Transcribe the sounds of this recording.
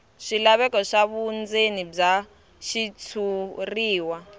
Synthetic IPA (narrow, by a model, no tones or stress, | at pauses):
ʂilaβɛkɔʂaβund͡zenib͡ʐa | ʃit͡sʰuriːwa